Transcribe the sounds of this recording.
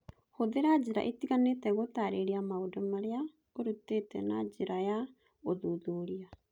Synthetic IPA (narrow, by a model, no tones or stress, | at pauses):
hoðeɾad͡ʒiɾa̰ʔetiɣanetɛɣotaɾeɾiamaodɔmaɾea | oɾutetɛ̰nad͡ʒeɾaja | oðuðuːɾia